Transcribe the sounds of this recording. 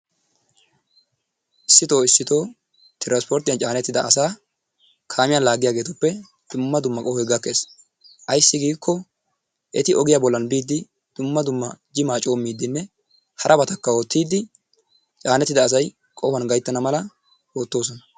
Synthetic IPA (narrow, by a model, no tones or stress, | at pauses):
ʔɪsːɪt̪o̞ːɪsːɪt̪o̞ː | t̪ɪɾaspɔɾt̪ɪjɐnt͡ʃʼaːnɛt̪ːɪd̪ɐːsaː | kʰaːmɪjalaːɡɪjaːɡe̞ːt̪ʊpːɛ | d̪̥ʊmːɐd̪ʊmːɐkʼɔhɔjɡɐkːe̞ːs | ʔɐjsːɪɡiːkʰːɔ | ʔɛt̪ɪɔɡɪjaːbɔlːɐnbiːd̪ːɪ | d̪̥ʊmːɐd̪ʊmːɐd͡ʒɪmaːt͡ʃʼo̞ːmːiːd̪ːɪnːɛ | hɐɾʔɐbɐt̪ɐkːɐo̞ːt̪ːiːd̪ːɪ | t͡ʃʼaːnɛt̪ːɪd̪ɐːs̬ɐj | kʼɔhɐnɡɐjt̪ːɐnɐmɐlɐ | o̞ːt̪ːo̞ːs̬ɔnɐ̥